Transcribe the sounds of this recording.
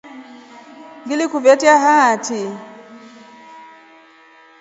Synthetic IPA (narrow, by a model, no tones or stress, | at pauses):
ŋɡilikuvɛtiaɦatʰi